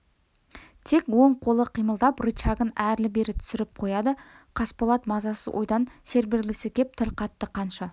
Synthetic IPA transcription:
t̪ʰe̞kwo̞ɴqʰo̞lˠəqʰijməlˠd̪ɑprut͡ʃɑɡənæɾlɪbe̞ɾɪt̪ʰʏ̥sɪɾɪp̚qʰo̞jɑd̪ə | qʰɑspolˠɑt̪mɑzɑsəzwʔojd̪ɑnse̞ɾbɪɾɡʲɪsɪkʲʰe̞p̚t̪ʰɪlqʰɑt̪ːəqʰɑnʃɑ

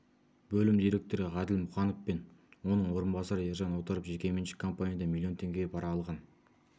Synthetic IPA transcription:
bɵlɪmd̪ijɾe̞k̚t̪o̞ɾɪʁɑd̪ɪlmʊχɑnofpe̞nwo̞nəɴwo̞ɾənbɑsɑɾəeɾʒɑnwo̞t̪əɾəpʒe̞kʲe̞me̞nʃɪ̥kʰːo̞mpanʲijad̪ɑmilʲˠijo̞nt̪ʰe̞ŋɡʲe̞bɑɾɑlˠʁɑn

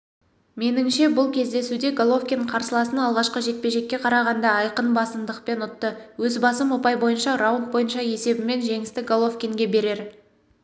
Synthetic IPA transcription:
me̞nɪŋʃe̞bʊlˠkʲʰe̞zd̪e̞sud̪e̞ɡolˠo̞fkʲeɴqʰɑɾsəlˠɑsənɑlˠʁɑʃqəʒe̞t̪̚pe̞ʒe̞kʲːe̞qʰɑɾɑʁɑnd̪ɑɑjqənbɑsənd̪əqpe̞nʊt̪ːəwɵzbɑsəmo̞pɑjbo̞jənʃɑɾawnt̪̚bo̞jənʃɑje̞se̞bɪme̞nʒe̞ŋɪst̪ɪɡolˠofkʲeŋɡʲe̞be̞ɾe̞ɾ

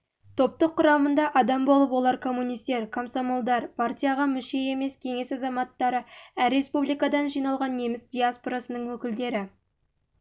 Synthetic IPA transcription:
t̪ʰo̞p̚t̪əqʰːʊɾɑmənd̪ɑʔɑd̪ɑmbo̞lˠəpwo̞lˠɑɾkʰo̞mːunijst̪e̞ɾkʰomsomolˠd̪ɑɾpʰartʲijaʁɑmʏʃe̞e̞me̞skʲʰe̞ŋe̞sɑzɑmɑt̪ːɑɾəæɾːe̞spublˠijkɑd̪ɑnʒijnɑlˠʁɑnːe̞mɪsd̪ʲijaspoɾasənəɴwɵkʲɪld̪e̞ɾɪ

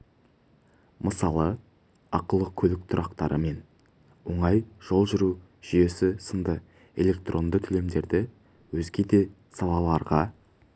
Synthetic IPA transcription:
məsɑlˠə | ɑqəlˠəkʲʰɵlɪk̚t̪ʰʊɾʔɑqt̪ɑɾʔəme̞n | wo̞ɴɑjʒ̥o̞lˠʒʏɾu | ʒ̥ije̞sɪsənd̪ə | e̞̰lʲe̞k̚t̪rʔo̞nd̪ət̪ʰʏle̞md̪e̞ɾd̪ɪ | wɵzɡʲe̞d̪e̞ | sɑlˠɑlˠɑɾʁɑ

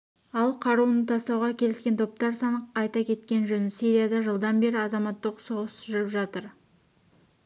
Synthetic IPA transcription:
ɑlˠqʰɑɾuənət̪ʰɑst̪ɑwʁɑkʲʰe̞lɪskʲe̞nt̪ʰo̞p̚t̪ɑɾsɑnəqɑjt̪ɑkʲʰe̞t̪kʲe̞nʒɵnɪsiɾijad̪ɑʒəlˠd̪ɑnbe̞ɾɪɑzɑmɑt̪ːəqsoʁəsʒʏɾɪpʒɑt̪əɾ

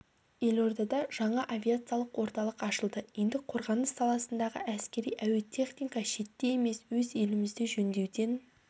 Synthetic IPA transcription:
je̞lʲo̞rd̪ɑd̪ɑʒ̥ɑɴɑʔavʲiat̪sɨjalˠəqwo̞ɾt̪ɑlˠəqɑʃəlˠd̪əje̞nd̪ɪqʰo̞ɾʁɑnəsːɑlˠɑsənd̪ɑʁə̰ʔæskʲe̞ɾijʔæwe̞lt̪ʲʰe̞χnʲijkɑʃe̞t̪ːe̞je̞me̞swɵze̞lɪmɪzd̪eʒɵnd̪e̞wd̪e̞n

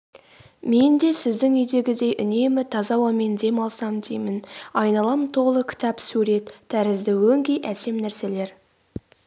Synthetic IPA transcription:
me̞nd̪e̞sɪzd̪ɪŋʏjd̪e̞ɡʲɪd̪e̞jʔʏne̞mɪt̪ʰɑzɑwɑme̞nd̪e̞mɑlˠsɑmd̪ejmɪnɑjnɑlˠɑmət̪ʰo̞lˠəkʲʰɪ̥t̪ɑpsuɾe̞t̪ʰːæɾɪzd̪ɪwɵŋɡʲejʔæse̞mnæɾse̞le̞ɾ

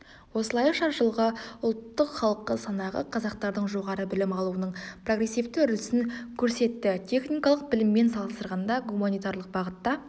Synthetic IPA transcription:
wo̞səlˠɑjʃɑɾʒəlˠʁəʊlˠt̪ːəqχɑlˠəqːəsɑnɑʁə̰qʰɑzɑq̚t̪ɑɾd̪əɴʒo̞ʁɑɾəbɪlɪmɑlˠuənəɴproɡre̞sːift̪ɪʏɾlɪsɪnkʲʰɵɾse̞t̪ːɪt̪ʲʰe̞χnijkɑlˠəq̚bɪlɪmːe̞nsɑlˠəsəɾʁɑnd̪ɑɡumanijt̪aɾlˠəq̚bɑʁət̪ːɑ

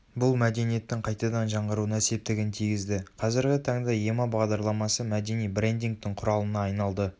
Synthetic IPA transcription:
bʊlˠmæd̪e̞nije̞t̪ːɪŋqʰɑjt̪ɑd̪ɑnʒɑɴʁəɾuənse̞p̚t̪ɪɡʲɪnt̪ʰijɡʲɪzd̪ɪqʰɑzɪɾɡʲɪt̪ʰɑɴd̪ɑjemɑbɑʁd̪ɑɾlˠɑmɑsəmæd̪e̞nijbɾe̞nd̪iŋk̚t̪ɪɴqʰʊɾɑlˠənɑːjnɑlˠd̪ə

